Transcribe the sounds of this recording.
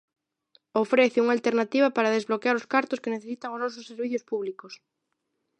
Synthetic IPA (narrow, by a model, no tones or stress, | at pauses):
ofɾeθeuŋalt̪eɾnat̪iβapaɾaðezβlokeaɾoskaɾt̪oskeneθesit̪aŋoznɔsosːeɾβiθjospuβlikos